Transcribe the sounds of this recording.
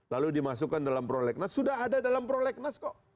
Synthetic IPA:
laludimasukandalampɾolɛk̚nasːudaɦadadalampɾolɛk̚naskoʔ

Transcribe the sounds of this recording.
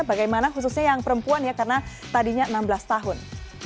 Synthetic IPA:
baɡajmanaɦus̬usɲajaŋpəɾəmpuanjakarənat̪adiɲaənambəlast̪aɦʊn

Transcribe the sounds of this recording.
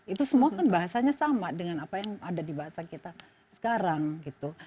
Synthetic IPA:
it̪usəmuakanbaɦasaɲasamadəŋanapajaŋadadibaɦasakit̪a | sə̥kaɾaŋɡit̪u

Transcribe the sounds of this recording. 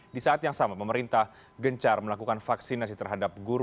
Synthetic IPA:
disaʔat̪jaŋsamapəməɾint̪ah | ɡəɲt͡ʃarməlakukanfaksinasit̪ərɦadap̚ɡuɾ

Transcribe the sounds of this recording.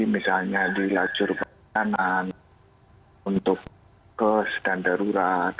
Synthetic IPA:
imisalɲadilḁd͡ʒʊrpa | anan | unt̪ʊk̚ | kəsd̥andaɾuɾat̪̚

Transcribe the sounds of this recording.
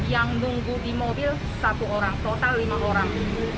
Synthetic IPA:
jaŋnuŋɡudimobɪl | sat̪uoɾaŋt̪ot̪alːiŋaʔoɾaŋiku

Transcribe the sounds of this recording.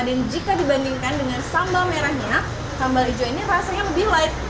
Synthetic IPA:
dand͡ʒikadibandiŋkandəŋansambalmeɾahɲa | sambalid͡ʒoinirasaɲaləbɪhlaɪk̚

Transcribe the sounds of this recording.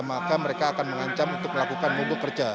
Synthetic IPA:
makaməɾekaːkanməŋaɲt͡ʃamunt̪ʊk̚məlakukanmobʊkərd͡ʒa

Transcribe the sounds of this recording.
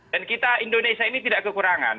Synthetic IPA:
d̥ankit̪aindonesiainit̪idaʔkəkuɾaŋa̰n

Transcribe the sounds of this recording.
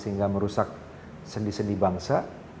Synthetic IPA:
səɦiŋɡaməɾusak̚ | səndisəndibaŋsa

